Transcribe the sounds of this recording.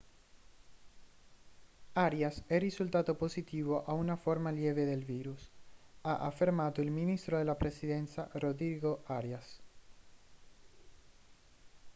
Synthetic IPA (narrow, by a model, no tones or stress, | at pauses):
aɾjasɛrisult̪at̪oposit̪iβoʔaunafoɾmaljeβeðelβiɾusaʔafeɾmat̪oilmĩnist̪ɾoðelapɾesiðensarodiɣoʔaɾjas